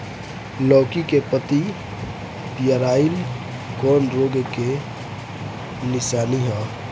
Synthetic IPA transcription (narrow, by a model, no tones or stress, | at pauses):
lɔːkikepət̪i | pijəɾaːil | kɔːnɾoɡke | nɪsaːniɦɔ̃ː